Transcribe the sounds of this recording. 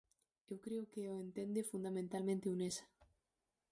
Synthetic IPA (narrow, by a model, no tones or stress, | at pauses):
ewkɾeokeoent̪end̪efund̪amẽnt̪almẽnt̪eunesḁ